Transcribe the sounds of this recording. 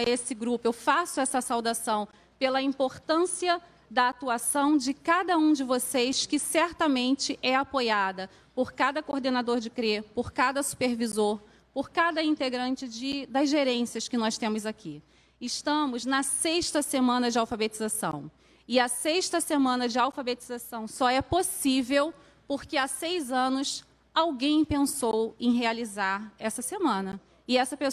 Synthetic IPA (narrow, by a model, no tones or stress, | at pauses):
esɪɡɾupʊewfasʊɛsɐsawd̪asɐ̃w̃ | pelɐĩpoɾt̪ɐ̃siɐ | d̪ɐat̪uasɐ̃w̃d͡ʒɪkad̪ɐũd͡ʒɪvosejskɪsɛɾt̪ɐmẽnt͡ʃɪʔɛapojad̪ɐ | poɾkad̪ɐkoɾd̪enad̪oɾd͡ʒɪkɾepoɾkad̪ɐsu̥peɾvizoɾ | poɾkad̪ɐĩnt̪eɡɾɐ̃nt͡ʃɪd͡ʒɪd̪ɐzʒeɾẽsiɐskɪnɔst̪ẽmʊzaki | ɪʃt̪ɐ̃mʊznɐseʃt̪ɐsemɐ̃nɐd͡ʒɪawfabet͡ʃizasɐ̰̃w̃ | ɪɐseʃt̪ɐsemɐ̃nɐd͡ʒɪawfabet͡ʃizasɐ̃w̃sɔɛposivew | poɾkeasejzɐ̃nʊs | awɡẽj̃pẽnsowẽj̃ɦealizaɾɛsɐsemɐ̃nɐ | ɪɛsɐpe